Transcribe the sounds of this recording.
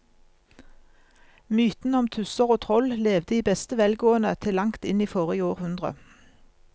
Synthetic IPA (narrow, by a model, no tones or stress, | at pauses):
myːt̪n̩ɔmt̪ʰʉsəʁoːt̪ʰʁɔlleːʋd̪əiːbɛst̪əʋɛlɡoːənət̪ʰɪlɑŋkt̪ɪniːfoːʁəiːoːʁhʉnd̪ʁə̰